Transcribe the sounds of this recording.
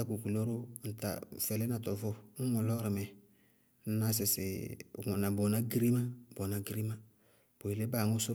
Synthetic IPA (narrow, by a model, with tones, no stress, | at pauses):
a˦ku˨ku˨lo˦ɾʊ˦n̩˨ta̰˨fɛ˨lɛ˦na˨tɔ˨vɔ˦ŋ̩˦ŋɔ˨lɔ˦ɾɪ˨mɛ˨ | n̩˦na˦s̬ɪ˨sɪ̰˨ŋɔ˨na˨bɔ˨na˦ɡi˦ɾi˦ma˦bɔ˨na˨ɡi˦ɾi˦ma˦ | b̥o˨i˨le˦ba˨ŋʊ˦sʊ˦